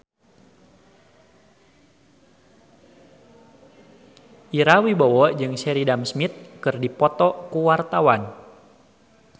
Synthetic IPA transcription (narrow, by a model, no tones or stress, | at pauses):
ʔiɾawibɔwɔd͡ʒɨŋsɛɾidamsmit̪̚kɨrdipɔt̪ɔkuwart̪awan